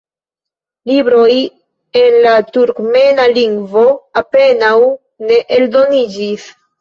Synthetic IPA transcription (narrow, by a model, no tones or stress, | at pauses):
libɾo̞j | e̞nlatuɾkme̞naliŋɡvo̞ape̞naw | ne̞ʔeldo̞nid͡ʒis